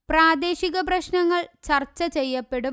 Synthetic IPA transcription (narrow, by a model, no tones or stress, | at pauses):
praːd̪e̞ːɕiɣɐp̬rɐɕnɐŋːɐɭt͡ɕɐrt͡ɕːɐt͡ɕejːɐpːe̞ɽu